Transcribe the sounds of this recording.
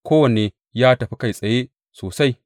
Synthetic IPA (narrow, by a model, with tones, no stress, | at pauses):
kʷoː˦wɐ˨ne˨ | jaː˦tɐ˨ɸi˦ka˦˨jsʼɐ˨je˦ | soː˨sa˦j